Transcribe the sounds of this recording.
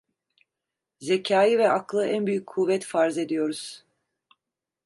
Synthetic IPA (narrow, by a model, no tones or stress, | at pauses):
zecʰaːjivɛʔaklˠɯʔænbyjycʰːuvɛt̪faɾze̞d̪ijo̞ɾuz̥